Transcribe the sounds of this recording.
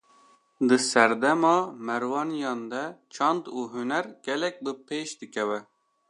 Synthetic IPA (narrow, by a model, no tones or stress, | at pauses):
d̪ɨsɛɾd̪ɛmɑːmɛɾwɑːnjɑnd̪ɛt͡ʃʰɑnd̪uːɦunɛɾɡ̥ɛlɛk̚bɨpeːʃd̪ɨkʰɛvɛ